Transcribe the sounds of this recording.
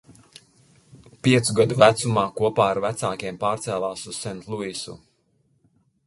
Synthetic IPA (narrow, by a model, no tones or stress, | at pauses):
pʲiɛt̪suɡad̪uvæt̪sumaːkuɔpaːaɾvæt̪saːkʲiɛmpaːɾt̪sɛːlˠaːsuzsɛnt̪lˠuisṵ